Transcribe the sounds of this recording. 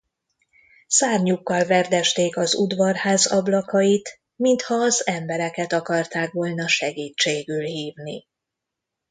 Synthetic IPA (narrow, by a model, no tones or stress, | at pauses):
saːrɲukːɒlvɛrd̪ɛʃt̪eːkɒzud̪vɒrhaːzɒblɒkɒjit̪ | mint̪hɒːzɛmbɛɾɛkɛt̪ɒkɒrt̪aːkʋo̞lnɒʃɛɡiːt͡ʃːeːɡylhiːvni